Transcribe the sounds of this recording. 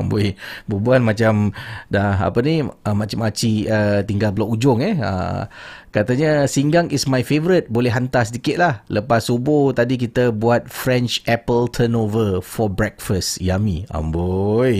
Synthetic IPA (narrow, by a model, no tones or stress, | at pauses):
ambojbubuanmãt͡ʃamdaa̰pəniəmat͡ʃamat͡ʃiət̪iŋɡalpəlaʔud͡ʒʊŋɛə̰ | kat̪əɲəsiŋɡaŋismajfevəɾit̪̚bolɛɦant̪asədikɪt̪̚lahləpasoboht̪adik̬it̪əbuat̪̚fɾɛnt͡ʃɛpəlt̪ʰənovəfɔbɾɛk̚fəst̪jamia̰mboj